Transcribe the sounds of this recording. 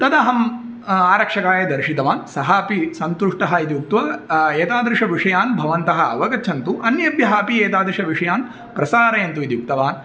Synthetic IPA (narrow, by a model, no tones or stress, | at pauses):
t̪ɐd̪ɐɦɐm | aːɾɐkʂɐkaːjɐd̪ɐɾʃit̪ɐʋaːnsɐɦaːpisɐnt̪uʂʈɐɦɐit̪ijuk̚t̪ʋɐeːt̪aːd̪ɾɪʂɐʋiʂɐjaːnbʱɐʋɐnt̪ɐɦɐɐ̰ʋɐɡɐt͡ʃʰɐnt̪uʔɐnjɐbjɐɦaːpieːt̪aːd̪ɾɪʃɐʋiʂɐjaːn | pɾɐsaːɾɐjɐnt̪uit̪ijuk̚t̪ɐʋaːn